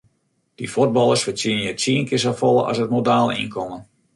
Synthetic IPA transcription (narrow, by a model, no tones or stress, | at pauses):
d̥ifod̚bɑlˠərsfət͡siənjətsiənkɪs̬afɔlˠəʔɔ̰sət̚modaːlˠḭnkʰɔmən